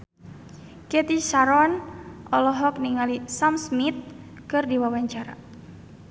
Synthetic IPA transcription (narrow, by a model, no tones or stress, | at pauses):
kɛt̪iʃaɾɔnʔɔlɔɦɔk̚niŋalisamsmit̪̚ | kɨrdiwawaɲt͡ʃaɾa̰